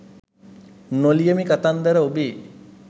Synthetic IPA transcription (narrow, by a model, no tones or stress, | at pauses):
nolijəmikat̪and̪əɾəobeː